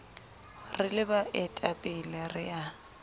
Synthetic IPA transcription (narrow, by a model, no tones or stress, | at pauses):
rɪlɪbaʔɛtʼapʼɪlɛrɪa